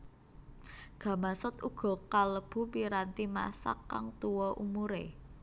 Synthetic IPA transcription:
ɡ̥ä̤masʊt̪uɡ̥ɔ̤kaləb̥ṳpiɾant̪ima̰sa̰kːa̰ŋt̪uwɔʔumuɾḛ

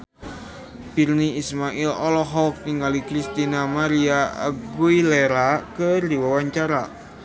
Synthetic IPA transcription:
b̥irniismaʔilɔlɔɦɔk̚t̪iŋɡalikɾist̪inamaɾiaa̰ɡuileɾakərdiwawaɲt͡ʃaɾa

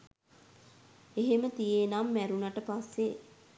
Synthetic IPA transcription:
eɦemət̪ijenamːæɾunaʈəpasːe

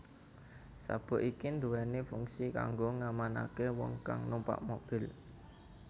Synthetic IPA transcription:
sa̰b̥ɔ̤ʔikind̪uwɛnefuŋsika̰ŋɡoŋamanakewɔŋka̰ŋnumpa̰ʔmob̥ɪ̤l

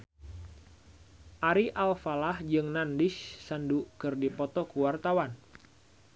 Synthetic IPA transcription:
ʔaɾiʔalfalahd͡ʒɨŋnandɪʃsandukɨrdipɔt̪ɔkuwart̪awan

